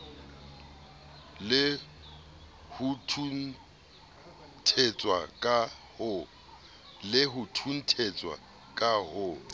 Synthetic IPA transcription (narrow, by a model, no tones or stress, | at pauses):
lɪ | hutʰun | tʰet͡sʼwa̰kʼa | hʊ | lɪɦʊtʰun̩tʰet͡sʼwa̰ | kʼahʊ